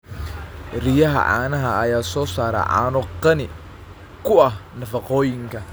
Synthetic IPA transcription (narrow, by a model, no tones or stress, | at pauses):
rɪjɐɦɐ̰ʕa̰ːnɐɦɐɐjaːsɔːsaːɾɐ̰ʕa̰ːnʊqɐnɪ | kʰʊɐɦnɐfɑqɔːjɪŋkʰɐ